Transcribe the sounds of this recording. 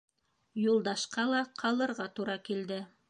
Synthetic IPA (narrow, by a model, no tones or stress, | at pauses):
julˠd̪ɑʃqɑlˠɑqʰɑlˠɤ̆ɾʁɑt̪uɾɑkild̪ɘ